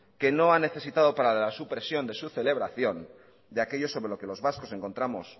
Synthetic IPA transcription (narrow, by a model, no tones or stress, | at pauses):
ke̞no̞ane̞θe̞sit̪aðo̞paɾaðlasupɾe̞sjo̞nd̪e̞suθe̞le̞β̞ɾaθjo̞n | d̪eake̞ʎo̞so̞βɾe̞loke̞lo̞zβasko̞se̞ŋko̞nt̪ɾamo̞̰s